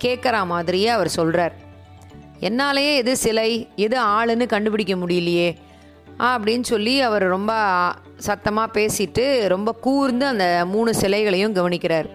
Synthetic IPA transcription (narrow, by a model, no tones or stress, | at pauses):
keːʈkɐɾɐmaːðɪɾɪjeːɐʋɐɾsɔlraːɾ | ɛnːaːlɐjeːɛðɯsɪlɐɪɛðɯaːɭɯnːɯkɐɳɖɯpɪɽɪk̬ʲːɐmʊɽɪjɪlɐjeː | ʔɐpːɐɽɪnːsɔlːiɐʋɐɾɾɔmbɐ | sɐt̪ːɐmaːpeːsɪʈːɯɾɔmbɐkuːɾɯnd̪ɯɐnd̪ɐmuːɳɯsɪlɐɪɣɐɭɐjʊ̃mɡɐʋɐnɪkʲːɪɾaːɾ